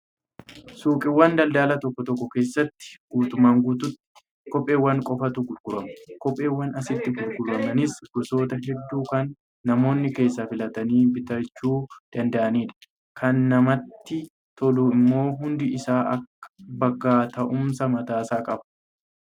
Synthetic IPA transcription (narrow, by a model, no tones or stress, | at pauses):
suːkʼɪwːɐnd̪ɐld̪aːlɐt̪ɔkːɔt̪ɔkːɔke̞ːsːɐt̪ːɪ̥ɡ̥uːt̪ʼʊmaːŋɡuːt̪ʊt̪ː | kɔpʼːe̞ːwːɐŋkʼɔfɐt̪uɡʊlɡʊɾɐmɐ̥kɔpʼːe̞ːwːɐnɐsɪt̪ːɪɡʊlɡʊɾɐmɐnɪsɡ̥ɔso̞ːt̪ɐɦɛd̪ːuːkɐnː | ɐmo̞ːnːɪke̞ːsːafɪlɐt̪ɐniːbɪt̪ɐt͡ʃːuːd̪̥ɐnd̪ɐʔɐniːᶑɐ̥ | kʰɐnːɐmɐt̪ːɪ | t̪ʰɔluːɪmːo̞ːɦʊnd̪ɪɪsaːʔɐkːɐ̥bɐɡːaːt̪ɐʔʊmsɐmɐt̪aːsaːkʼɐb̥